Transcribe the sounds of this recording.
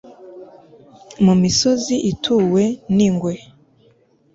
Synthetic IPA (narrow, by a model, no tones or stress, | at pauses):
mumisoziʔitʰuːwe̞niŋɡwe